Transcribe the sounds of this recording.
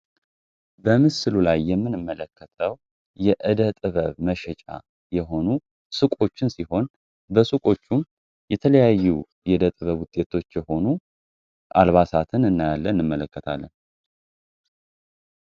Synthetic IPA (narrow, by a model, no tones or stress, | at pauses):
bəmɨsɨlulajːɛmːɨnɨmːələkːət̪ʰəw | jɛʔɨd̪ət̪ʼɨβəβməʃɛt͡ʃʼa̰ | jɛɦo̞nu | sɨkʼo̞t͡ʃːɪnsiho̞n | bəsɨkʼo̞t͡ʃːum | jɛt̪ʰələjajːu | jɛd̪ət̪ʼɨβəβwʊt̪ʼe̞t̪ʰo̞t͡ʃːjɛho̞nu | ʔa̰lβasat̪ʰɨnɨnːajalːənːɨmːələkːət̪ʰa̰lːən